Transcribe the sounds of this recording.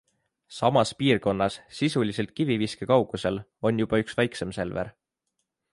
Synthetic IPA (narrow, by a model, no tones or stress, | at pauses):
sɑmɑspiːrko̞nːɑsːisulise̞lt̪̚kiviviskekɑwɡ̥use̞lo̞nʲjub̥ɑyksvæjksemse̞lve̞̰ɾ